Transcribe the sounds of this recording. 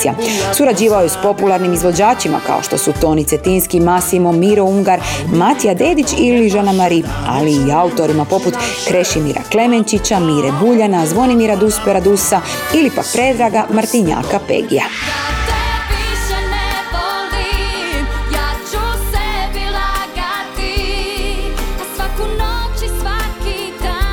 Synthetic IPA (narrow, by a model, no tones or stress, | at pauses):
siasuɾad͡ʑiːʋaojuspo̞pulˠaɾnimizʋo̞d͡ʑaːt͡ʃima̰ka̰o̞̰ʃt̪o̞̰sut̪o̞nit̪set̪inskimasimo̞miɾouŋɡaɾmat̪ijad̪e̞ːd̪it͡ʃiliʒanamaɾip | a̰liːaut̪o̞ɾimapo̞put̪kɾe̞ʃimiɾa̰kle̞me̞nt͡ʃit͡ɕamiːɾebuʎanazʋo̞nimiɾad̪uspeɾad̪usa | ilipa̰k̚pɾe̞d̪ɾaɡamaɾt̪iɲa̰kapḛɡḭja̰ | at̪eʋiʃɛneboli | jaːt͡ʃusɛbilaɡat̪i | asʋakunot͡ʃisʋakid̪a